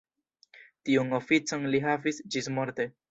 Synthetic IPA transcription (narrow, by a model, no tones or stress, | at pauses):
tiunofit͡so̞nliɦavisd͡ʒismo̞ɾte̞